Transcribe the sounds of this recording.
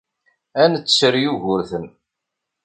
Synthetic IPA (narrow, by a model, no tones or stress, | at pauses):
ænət͡sːt͡sːəɾjuʝʊɾθən